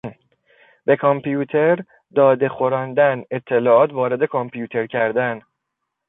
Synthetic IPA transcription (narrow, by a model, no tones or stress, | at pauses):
be̞kʰompʰjuːt̪ʰe̞ɾ | d̪ɒːd̪e̞xo̞ɾɒːnd̪æne̞t̪ʰːe̞lɒːɒːt̪ʰvɒːɾe̞d̪e̞kʰompʰijuːt̪ʰe̞ɾcʰæɾd̪æn